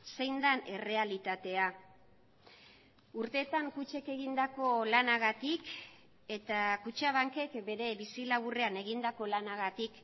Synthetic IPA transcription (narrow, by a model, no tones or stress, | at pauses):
se̞jnd̪ane̞re̞alit̪at̪e̞a | uɾt̪e̞ːt̪aŋkut͡ʃe̞ke̞ɣind̪ako̞lanaɣat̪ik | e̞t̪akut͡ʃaβ̞aŋke̞kbe̞ɾe̞βisilaβure̞ane̞ɣind̪ako̞lanaɣat̪ik